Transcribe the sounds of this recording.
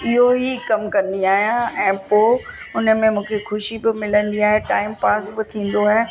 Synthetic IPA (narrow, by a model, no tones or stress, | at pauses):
ɪɦoɦikɐmkɐ̃nd̪iaːɦijãɛ̃ːpoː | ʊnə̆mẽmũːkʰexʊʃibɪmɪlə̃nd̪iaːɦeʈaːɪmpaːsbɪt̪ʰĩːn̆d̪oaːɦeː